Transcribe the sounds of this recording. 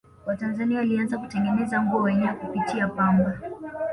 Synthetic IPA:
watanzaniawalianzakutɛŋɡɛnɛzaŋɡuawɛɲɛwakupitʰiapamba

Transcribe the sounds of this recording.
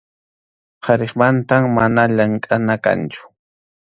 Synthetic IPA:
qʰɑɾeχmant̪amːanaʎaŋkʼanaka̰nt͡ʃʊ̥

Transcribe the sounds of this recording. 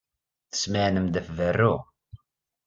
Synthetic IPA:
θə̥sməʕnəmd̪æfvərːu

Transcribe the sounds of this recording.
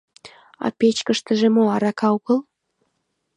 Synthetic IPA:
ɑ̰pet͡ɕkəʃt̪ə̆ʒemoɑɾɑkɑuɣəl

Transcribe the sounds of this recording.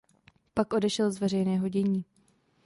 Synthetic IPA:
pakʔo̞dɛʃɛlzvɛr̝ɛjnɛːɦo̞ɟɛɲiː

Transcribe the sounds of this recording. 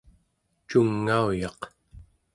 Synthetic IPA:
t͡ʃuŋːaujɑq

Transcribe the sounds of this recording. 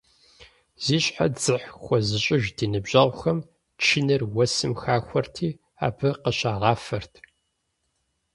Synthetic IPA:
z̥iːɕʼħa̰d͡zɨħxʷɔzɨɕʼɪʒdiːnɨbʑɐʁʷxɐm | t͡ʃʰɪnɐrwɐsɨmxaːxʷɔrtʰiː | a̰ːbɨqəɕaːʁɑːfɐrtʰ

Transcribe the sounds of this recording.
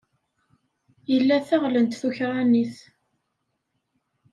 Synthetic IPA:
jəlːæθæʁlənt̪θuçɾˤaniθ

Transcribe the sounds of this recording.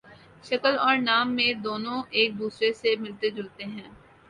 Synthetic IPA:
ʃɐkəlɔːɾnaːmːẽd̪oːnõʔeːk̚d̪uːsɾesemɪlt̪ed͡ʒʊlt̪eɦɛ̃ː

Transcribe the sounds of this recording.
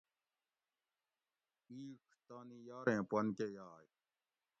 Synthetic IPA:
iːkʰt̪aːnijaːɾẽːpɐnkejaːj

